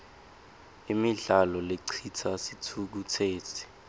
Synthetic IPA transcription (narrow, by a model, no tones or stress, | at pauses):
imiɮalɔleǀʰitʰasitʰuk̬utʰeːtʰi̥